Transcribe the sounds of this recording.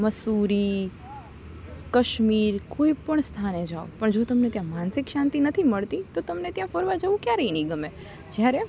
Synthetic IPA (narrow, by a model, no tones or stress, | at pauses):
məsuɾi | kəʃmiɾkoipəɳst̪ʰaned͡ʒao̰pəɳd͡ʒot̪əmnet̪jãmãnsɪkʃãnt̪inət̪ʰiməɭt̪it̪ot̪əmnet̪jãfəɾʋad͡ʒəʋũkjaɾəiniɡəme | d͡ʒjaɾe